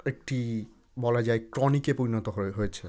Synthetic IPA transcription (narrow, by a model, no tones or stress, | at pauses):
ek̚ʈi | bɔlad͡ʑaekɾonikepoɾinot̪oɦɦojet͡ɕʰe